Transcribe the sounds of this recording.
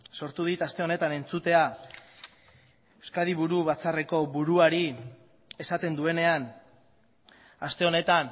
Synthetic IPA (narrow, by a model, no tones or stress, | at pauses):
so̞ɾt̪uð̞it̪ast̪e̞o̞ne̞t̪ane̞nt͡sut̪e̞a | ewskað̞iβ̞uɾuβat͡sare̞ko̞βuɾuaɾi | e̞sat̪e̞nd̪ue̞ne̞an | ast̪e̞o̞ne̞t̪an